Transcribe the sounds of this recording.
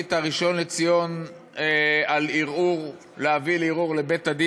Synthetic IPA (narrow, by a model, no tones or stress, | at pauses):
it̪aʁiʃo̞nlet͡sijo̞n | ealiʁuʁ | leaviliʁuʁlebet̪ad̪i